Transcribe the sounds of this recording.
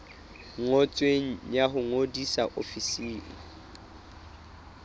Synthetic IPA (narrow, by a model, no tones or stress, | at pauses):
ŋot͡sʼweŋ̩jaɦʊŋodisaʔofisiːŋ̩